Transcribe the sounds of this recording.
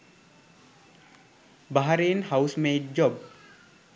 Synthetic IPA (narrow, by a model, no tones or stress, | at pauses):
baɦaɾeːnhawsmeːʈ̚d͡ʑob